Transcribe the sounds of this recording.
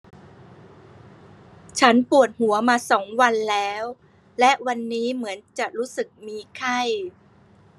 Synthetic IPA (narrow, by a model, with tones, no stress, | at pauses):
t͡ɕʰa˦˥npu˨˩ət̪̚hu˨˩˦ɐmaː˧sɔː˩˦ŋwa˧nlɛː˦˥w | lɛ˦˥ʔwa˧nːiː˦˥mɯ˩˦ənt͡ɕa˨˩ʔɾuː˦˥sɯ˨˩k̚miː˧kʰa˥˩j